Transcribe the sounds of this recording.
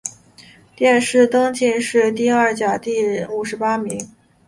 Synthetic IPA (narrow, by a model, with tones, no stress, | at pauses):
t̪jɛ˥˧nʂɻ̩˥˩t̪ɤ˥ŋt͡ɕi˥˧nʂɻ̩˥˧t̪i˥˧ɐ˞˥˩t͡ɕja˨˩t̪i˥˩u˨˩ʂɻ̩˧˥pa˥mi˧˥ŋ